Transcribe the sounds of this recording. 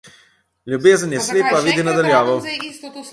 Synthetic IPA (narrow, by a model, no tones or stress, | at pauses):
lʲjubeːzənjɛsleːpaʋiːd̪inad̪aljaːʋɔw